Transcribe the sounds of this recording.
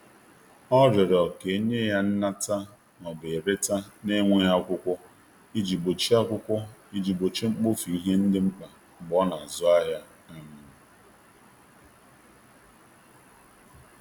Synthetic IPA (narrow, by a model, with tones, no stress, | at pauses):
ɔ˦ɾɪ˨ɾɔ˨ke˨e˦ɲe˦ja˦n̩˦na˦ta˦ | nɔ˨be˨ɾe˦ta˦ne˦ŋʷe˦ja˦kʷʊ˦kʷʊ˦ | i˦d͡ʒi˨bo˨t͡ʃi˦a˦kʷʊ˦kʷʊ˦i˦d͡ʒi˨bo˨t͡ʃi˦ŋ͡m̩˦k͡po˦fi˨i˦ɦe˦n̩˦dɪ˦ŋ͡m̩˦k͡pa˨ | ɡ͡bɔ˦na˨zʊ˦a˦ɦja˦ | a˦mʊ˨nʊ˨